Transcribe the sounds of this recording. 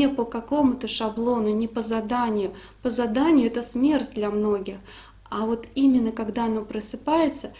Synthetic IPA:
ɪpəkɐko̞mʊt̪əʂɐblˠo̞nʊnʲɪpəzɐd̪anʲɪjʊ | pəzɐd̪anʲɪjʊɛt̪əsmʲe̞rtʲd̪lʲɐmno̞ɡʲɪx | avo̞t̪imʲɪnːəkɐɡd̪aɐno̞pɾəsɨpajɪt̪sə

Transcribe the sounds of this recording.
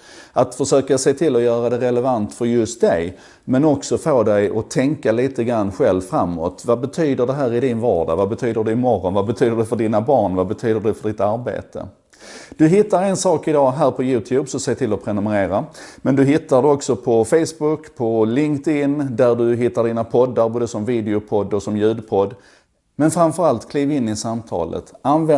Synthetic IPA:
at̪fœʂøːkaseːt̪ʰɪlːɔjœːɾad̪ɛɾɛlɛvant̪fœɾjɵst̪̚d̪ɛj | mɛnɔksɔfoːd̪ɛjʔɔt̪ʰɛŋkaliːt̪əɡɾanːɧɛlvfɾamːɔ̰t̪vabɛt̪ʰyːd̪əɖɛɦæːɾɪd̪ɪnvɑːɖa̰vabɛt̪ʰyːd̪əɖɛɪmɔɾɔnvabɛt̪ʰyːd̪əɖɛfœɖɪːnabɑːɳvabɛt̪ʰyːd̪əɖɛfœɖɪt̪aɾbḛːt̪ʰə̰ | d̪̥ɵɦɪt̪ːaɾɛnsɑːkɪd̪ɑːɦæːɾpʰɔjʉ̟ːt̪ʰjʉːbsɔseːt̪ʰɪlɔpʰɾɛnɵməɾeːɾamɛnd̪ɵɦɪt̪ːaɖɛɔksɔpʰɔfɛjsbʊkːpʰɔlɪŋkt̪ɪnːd̪æɖɵɦɪt̪ːaɖiːnapʰɔd̪ːaɾboːd̪əsɔmviːd̪ɪʊpʰɔd̪ːɔsɔmjʉ̟ːd̪pʰɔd̪ | mɛnfɾamfœɾalt̪kʰliːvɪnːɪsamt̪ʰɑ̰ːlʔə̰t̪anvɛ

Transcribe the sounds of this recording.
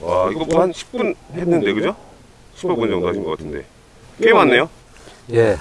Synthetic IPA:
aiɡʌmanɕʰi̥k̚p͈unhenːɯnde̞kɯd͡ʑo | ɕʰi̥p͈opund͡ʑʌŋdoɦaɕʰinɡʌk͈atʰɯnde̞̰ | kemanːe̞jo | je

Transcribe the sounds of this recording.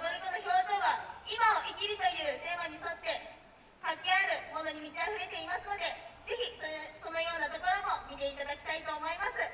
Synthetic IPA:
d̪oɾikonoço̞ːʑo̞ːɡaimaoʔikʲiɾʲit̪ojɯ̟ːt̪e̞ːmaɲ̟iso̞t̪ːe̞ | kakiaɾɯ̟mo̞no̞ɲ̟imʲit̪aɸɯ̟ɾe̞t̪e̞imasɨno̞d̪e̞ze̞çʲiso̞no̞jo̞ːnat̪o̞ko̞ɾo̞mo̞mʲit̪e̞it̪ad̪akʲi̥t̪ait̪o̞ːmo̞imasɨ

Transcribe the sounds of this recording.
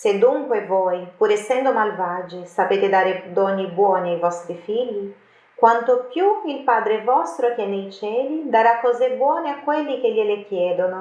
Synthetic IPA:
sed̪ːuŋkwevɔjpuɾɛsːɛnd̪omalvad͡ʒɪsapeːt̪ɪd̪aːɾed̪ɔnːibwɔːniajvɔst̪ɾifiʎːi | kwant̪opjuilpaːd̪ɾevɔst̪ɾokɛnːejt͡ʃɛːlid̪aɾakːɔːzebwɔːneakːwelːik̟eʎːelekjɛːd̪ono

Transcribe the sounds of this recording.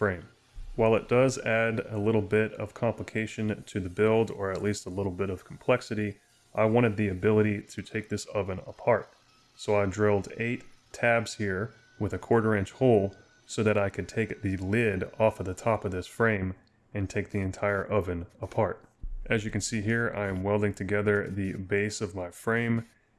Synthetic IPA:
fɹẽɪ̃m | waɪlˠət̚d̥ʌzæɾɨlɪɾl̩ˠbɪɾʌ̰v̥kʰɑ̃mpləkʰeɪʃɨ̃ntʰɨðɨbɪlˠdə˞ɨtˡlistəlɪɾl̩ˠbɪɾʌv̥kʰm̩pʰl̥ɛksɨɾi | ʔaɪwɑ̃ɾ̃ɨd̪̚ðiɨbɪlˠəɾiɾɨtʰeɪk̚ðɪsʌvɨ̃nə̰pʰɑɹt̚ | soʊaɪdɹɪlˠdeɪtʰ | æbz̥hiɹ | wəðɨkʰw̥ɔɹɾə˞ɪ̃nt͡ʃhoʊlˠ | soʊðɨɾaɪkʰɨd̚tʰeɪkðɨlɪɾɔfɨt̪̚ðɨtʰɑpʌvðɪsfɹẽɪ̃m | ɨ̃ntʰeɪk̚ðiɨ̃ntʰaɪə˞ʔʌvɨ̃nəpʰɑɹt̚ʔɨzjɨkɨ̃n̩siɦiɹa̰ɪɨ̃mwɛlˠdɪ̃ŋtʰɨɡɛðə˞ðɨbeɪsʌvmaɪfɹẽɪ̃m

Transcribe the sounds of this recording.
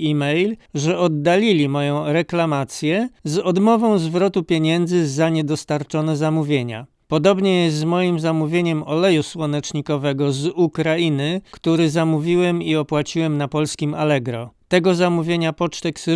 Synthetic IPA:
imɛjlʐɛʔɔd̪ːalʲilʲimɔjɔ̃w̃ɾɛklamat̪sʲjɛzɔd̪mɔvɔ̃w̃zvɾɔt̪upʲjeɲɛnd̪zɘzːaɲɛd̪ɔst̪aɾt͡ʂɔnɛzamuvʲjeɲa̰ | pɔd̪ɔbɲɛjɛst̪zmɔjimzamuvʲjeɲɛmɔlɛjuswɔnɛt͡ʂɲikɔvɛɡɔzukɾainɘkt̪uɾɘzamuvʲiwɛmiɔpwat͡ɕiwɛmnapɔlskʲima̰lɛɡɾɔt̪ɛɡɔzamuvʲjeɲapɔt͡ʂt̪ɛks

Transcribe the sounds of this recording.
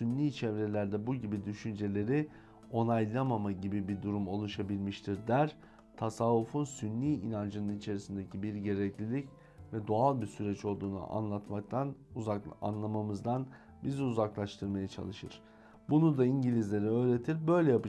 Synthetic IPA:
synːʲiːt͡ʃʰɛvɾe̞lʲæɾd̪ɛbuɟibid̪yʃynd͡ʒe̞lʲe̞ɾi | o̞najlˠamamaɟibibid̪uɾumo̞lˠuʃabilʲmiʃt̪ʰiɾd̪æɾ | t̪ʰasavːufunsynlʲiːinand͡ʒɯnɯnit͡ʃʰe̞ɾisind̪ecʰibiɾɟe̞ɾɛclʲilʲic | vɛd̪oalˠbisyɾɛt͡ʃo̞lˠd̪uːnṵʔa̰nlˠat̪mak̚t̪ʰanaa̰nlˠamamɯzd̪an | biziuzaklˠaʃt̪ʰɯɾmajat͡ʃʰa̰lˠɯʃɯɾ̥ | bunud̪aiɲɟilʲizlʲe̞ɾɛø̞ːɾe̞t̪ʰiɾbø̞jlʲɛjapɯ

